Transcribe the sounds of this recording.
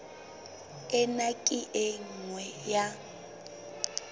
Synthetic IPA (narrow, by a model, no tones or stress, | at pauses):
ɛnakʼɪʔɪŋ̩ŋwɛja